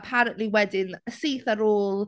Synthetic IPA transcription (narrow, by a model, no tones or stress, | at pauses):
pʰaɾə̃nʔliwɛdɪnəsiːθəɾoːlˠ